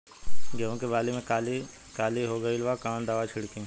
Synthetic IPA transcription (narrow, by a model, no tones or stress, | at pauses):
ɡɐɦõkebaːlemẽkaːli | kaːliɦoːɡɐɪlʋakãːnd̪aːʋat͡ʃʰɪɽkẽ